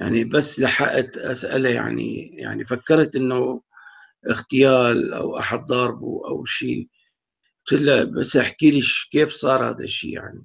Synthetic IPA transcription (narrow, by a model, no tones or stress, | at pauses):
ja̰ʕnibasːlaħaʔat̪ʔasʔɪ̰laja̰ʕnḭja̰ʕnifakːɑɾˤt̪ʔɪnːʊ | ʔɪxt̪ɪjaːlʔa̰wʔaħad̪̚d̪ˤɑɾˤbuʔa̰wʃḭː | t̪ɪlːabasːʔaħkiːliʃkeːfsˤɑːɾˤha̰ːd̪a̰ʃːḭːja̰ʕni